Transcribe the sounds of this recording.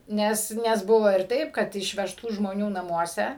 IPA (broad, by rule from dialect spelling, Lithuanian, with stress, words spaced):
ˈnʲɛs ˈnʲɛs ˈbʊʋoː ɪr ˈtɐɪp kɐt ɪʃʲʋʲɛʃˈtuː ʒmoːˈnʲuː nɐˈmuɔsʲɛ